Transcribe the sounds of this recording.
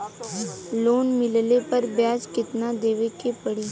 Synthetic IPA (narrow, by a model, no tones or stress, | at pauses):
loːnmɪllepɐɾbjaːd͡ʒkɪt̪nad̪eːʋekepɐɽiː